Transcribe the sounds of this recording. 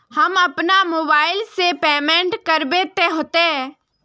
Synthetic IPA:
hɐmɐpnamoːbaːɪlsepɛːmɛ̃ɳʈkɐɾbet̪eɦoːt̪eɛː

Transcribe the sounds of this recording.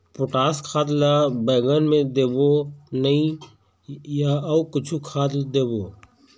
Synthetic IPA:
pʊʈaːskʰaːd̪laːbəːɡənmẽd̪eːboːnəĩ | jaːukɪt͡ʃʰukʰaːd̪ld̪eːboː

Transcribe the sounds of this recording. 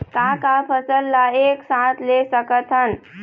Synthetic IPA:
kãkapʰəsəlːaeːksãt̪lesəkət̪ʰən

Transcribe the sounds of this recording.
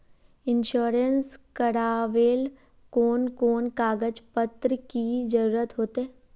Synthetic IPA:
ɪnʃoːɾənskəɽaːʋeːl | koːnkoːnkaːɡəd͡ʒpət̪ɾəkid͡ʒəɾuːɾət̪ɦoːt̪eɛ

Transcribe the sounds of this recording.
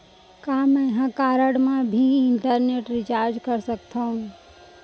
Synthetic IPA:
kamɛ̃ɦãkaːɾəɽmãbʱiɪɳʈəɾneʈɾit͡ʃaːɾd͡ʒkəɾsəkt̪ʰaɦũ

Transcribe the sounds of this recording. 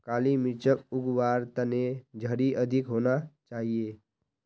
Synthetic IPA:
kaːlimɪt͡ʃəkʊɡwaːɾt̪əned͡ʒʱəɾiʔəd̪ʱɪkɦoːnat͡ʃaːɦieː

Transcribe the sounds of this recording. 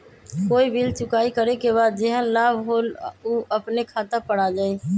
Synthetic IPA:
koːibilt͡ʃʊkaːikəɾekeβaːd̪̚d͡ʒeɦənlaːbʱɦoːluːəpnekʰaːt̪əpəɽ̤ad͡ʒaːi

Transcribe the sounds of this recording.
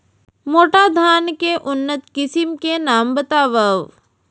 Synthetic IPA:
moːʈad̪ʱaːnkeʔʊnːət̪kɪsɪmkenaːmbət̪aːʋəʋ

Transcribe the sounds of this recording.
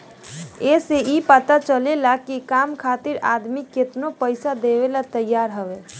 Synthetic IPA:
eseipət̪at͡ʃəlelakikamkʰat̪iɾa̰ːd̪miket̪nopəɪsad̪ewelat̪əjːaːɾɦəʋe

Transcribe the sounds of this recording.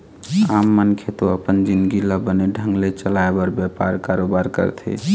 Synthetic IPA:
amːənkʰet̪oəpənd͡ʒind̪ɡiləbəneɖʱə̃ŋɡlet͡ʃəlaebəɾbjɛpaɾkaɾobaɾkə̰ɾt̪ʰḛ

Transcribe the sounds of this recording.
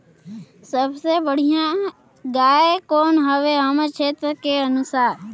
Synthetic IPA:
səbsebəɽ̤ijã | ɡaːekoːnɦəʋeɦəmət͡ʃʰeːt̪ɾəkeənʊsaːɾ

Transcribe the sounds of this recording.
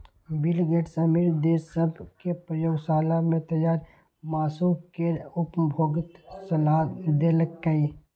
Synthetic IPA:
bɪlɡeːʈsəmiɾd̪eːsəbʱkepɾəjoːɡsaːlamẽt̪ɐjaːɾ | maːsuːkkeʊpbʱoːɡɪt̪sɐlaːd̪eːləkːəi

